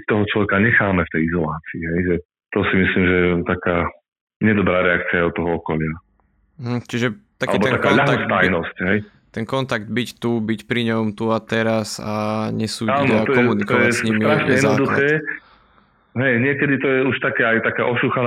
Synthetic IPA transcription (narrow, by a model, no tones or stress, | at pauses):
t̪ɔɦɔt͡ʃlɔʋɛkaɲɛxaːmɛft̪ɛjizɔlaːt͡siːɦɛjʒɛ | t̪ɔsimisliːmʒɛɛt̪akaː | ɲɛd̪ɔbɾaːɾɛakt͡siaɛɔt̪ːɔɦɔɔkɔlɪa | m̩ɦm̩t͡ʃiʒɛt̪akaliːɛbɔt̪akaʎaɦ̪aɔst̪ajjnɔscɦɛj | t̪ɛnkɔnt̪aɡd̪̚bict̪ubicpɾiɲɔmt̪uat̪ɛɾasaɲɛsuːaːnɔt̪ɔjɔɛmunitk̪ɔjaɛsɲismiɾaʃɲɲɛjɛd̪nɔd̪uxɛː | ɦɛjɲɪɛkɛd̪it̪ɔjɛuʃt̪akɛːajt̪akaːʔɔʃuːxan